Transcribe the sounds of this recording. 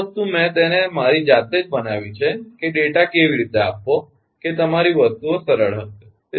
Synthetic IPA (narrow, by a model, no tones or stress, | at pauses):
st̪umɛ̃t̪enemaɾid͡ʒat̪ed͡ʒbənaʋit͡ʃʰekeɖeʈakeʋiɾit̪ea̰pːo | ket̪əmaɾiʋəst̪uosəɾəɭɦəʃe